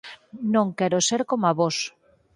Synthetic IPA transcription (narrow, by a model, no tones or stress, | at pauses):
nõŋkɛɾoseɾkomaβos